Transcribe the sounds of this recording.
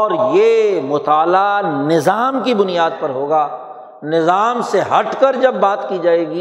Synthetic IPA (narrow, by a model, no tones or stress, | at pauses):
ɔːɾjemʊt̪aːlanɪzaːmkibʊnijaːd̪̚pɐɾɦoːɡaː | nɪzaːmseɦɐʈʰkəɾd͡ʒɐbːaːt̪kid͡ʒaːeːɡiː